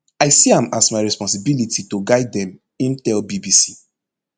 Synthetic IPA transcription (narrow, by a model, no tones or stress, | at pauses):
aɪsiãmasmaɪɹɛspɔ̃ns̬ibilititoɡaɪdɛ̃m | ĩntɛlbibisi